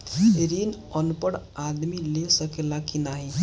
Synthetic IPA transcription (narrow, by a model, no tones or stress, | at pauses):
ɾin | ənpəɽ | ad̪milesəkelakinaɦi